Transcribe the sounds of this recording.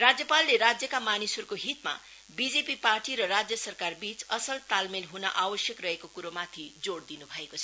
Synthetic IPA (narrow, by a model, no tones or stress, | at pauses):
rad͡zjʌpalːeɾad͡zjʌkamanisʌrkoɦit̪ma̰ | bid͡zepiparʈiɾʌrad͡zjʌsʌrkarbit͡sʌsʌlt̪almelɦunʌ̰ʔawʌsjʌkrʌɦekokuɾomat̪ʰid͡zoɽd̪inubʱʌekot͡sʰʌ